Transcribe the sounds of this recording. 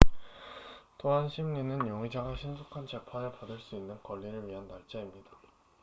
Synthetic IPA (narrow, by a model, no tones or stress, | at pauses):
toɦanɕʰimɲinɯnjoŋid͡ʑaɡaɕʰinsʰukʰant͡ɕe̞pʰanepadɯɭs͈uinːɯnkʌʎːiɾɯɭɥiɦanːaɭt͡ɕ͈aimɲida